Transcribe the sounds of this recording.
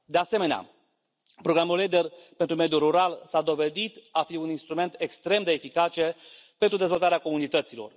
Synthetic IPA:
d̪e̞ase̞me̞nea̰ | pɾo̞ɡɾamuled̪erpe̞nt̪ɾume̞d̪juruɾalsad̪o̞ve̞d̪it̪afiuninst̪ɾume̞nt̪e̞kst̪ɾe̞md̪e̞ːfikat͡ʃe̞pent̪ɾud̪e̞zvo̞lt̪aɾeako̞munit̪ət̪silo̞̰r

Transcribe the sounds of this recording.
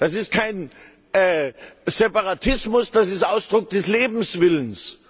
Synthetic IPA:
d̥as̬ɪst̚kʰaɪn | ɛːzɛpaʁatʰɪsmʊsd̥as̬ɪstʔaʊsd̥ʁʊk̚d̥ɛsleːbm̩sv̥ɪləns

